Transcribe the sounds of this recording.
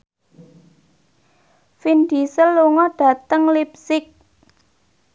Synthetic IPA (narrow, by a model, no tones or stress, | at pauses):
find̪isəlːuŋɔɖ̥ä̤t̪əŋlip̚sɪk̚